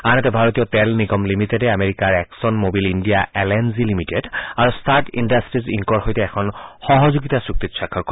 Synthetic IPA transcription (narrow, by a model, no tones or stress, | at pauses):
anɛtɛbʱaɹotijɔtɛlniɡɔmlimitedɛameɹikaɹɛksɔnmobilindijaɛlɛnzilimitedaɹustaɹʈḭndastɹiziŋkɔɹxojtɛɛkʰɔnxɔɦɔzoɡitasuk̚t̪itsakʰːɔɹkɔ